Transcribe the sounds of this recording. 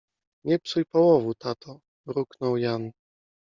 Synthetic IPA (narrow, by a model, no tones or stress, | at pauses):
ɲɛpsujpɔwɔvut̪at̪ʰɔ | ɾuknɔwjan